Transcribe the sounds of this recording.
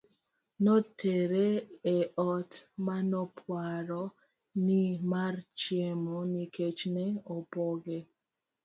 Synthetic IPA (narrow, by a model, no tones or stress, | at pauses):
nɔtʰeɾeɛɔtmanɔpʰwaɾɔ | nimart͡ʃjemoniket͡ʃnɛopɔɡe